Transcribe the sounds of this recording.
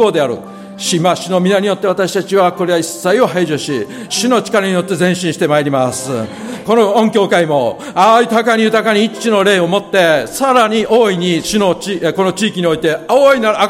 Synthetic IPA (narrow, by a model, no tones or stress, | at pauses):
o̞ːd̪e̞aɾɯ̟̰ | ɕimaɕino̞mʲinaɲ̟ijo̞t̪ːe̞at̪aɕi̥t̪at͡ɕiβako̞ɾe̞aisːaio̞ɦaiʑɨɕi | ɕino̞t͡ɕi̥kaɾaɲ̟ijo̞t̪ːe̞zẽ̞ɕĩɕi̥t̪e̞maiɾʲimasɨko̞noõŋkʲo̞ːkaimo̞ | aɯ̟t̪akaɲ̟ijɯ̟t̪akaɲ̟iːt͡ɕino̞ɾe̞ːo̞mo̞t̪ːe̞saɾaɲ̟iʔo̞ːiɲ̟iɕino̞t͡ɕiko̞no̞t͡ɕiːkʲiɲ̟io̞it̪e̞oinaa